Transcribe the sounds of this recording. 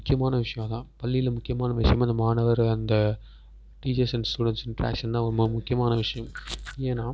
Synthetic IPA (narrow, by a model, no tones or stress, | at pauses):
ʊkːɪjɐmaːnɐʋɪʂɐjɐmt̪ãːpɐlːɪjɪlmʊkːɪjɐmaːnɐʋɪʂɐjɐmɐnd̪ɐmaːɳɐʋɐɾɐnd̪ɐ | ʈiːt͡ʃɐɾsɐnsʈuːɽɛɳʈsɪnʈɾa̰ːkʂɐnt̪ãːɔɾmmʊkːɪjɐmaːnɐʋɪʂɐjɐmeːnãː